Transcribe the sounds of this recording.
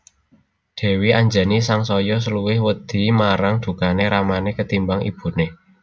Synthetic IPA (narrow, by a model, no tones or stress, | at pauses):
d̪̥ɛ̤wiaɲd͡ʒa̤nisaŋsɔjɔs̬əluwɪhwəd̪̥i̤maɾaŋd̪̥ṳkaneɾamanekət̪imbaŋʔḭb̥ṳne